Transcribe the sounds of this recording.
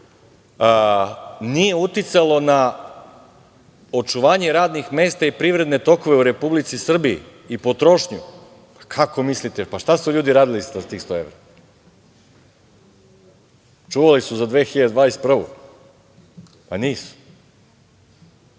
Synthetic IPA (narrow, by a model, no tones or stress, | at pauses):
nije̞ut̪it̪salˠo̞na | o̞t͡ʃuʋaːɲeɾaːd̪nixme̞ːst̪aipɾiːʋɾe̞d̪ne̞t̪o̞ko̞ʋe̞uɾe̞publit̪sisr̩biḭ | ipo̞t̪ɾo̞ʃɲṵ | pakʰako̞mislit̪epaʃt̪asuʎuːd̪iɾaːd̪ilist̪at̪iːxst̪oe̞ʋɾa | t͡ʃuʋalisuzad̪ʋeːxiʎad̪ed̪ʋaːest̪̚pr̩ʋo̰ | paniːsu̥